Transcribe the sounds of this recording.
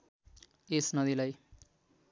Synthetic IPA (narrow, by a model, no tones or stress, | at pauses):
esnʌd̪ilaj